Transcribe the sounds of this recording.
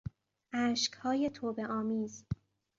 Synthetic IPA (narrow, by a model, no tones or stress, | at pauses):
ʔæːʃkhɒːje̞t̪ʰoːbe̞ʔɒːmiːz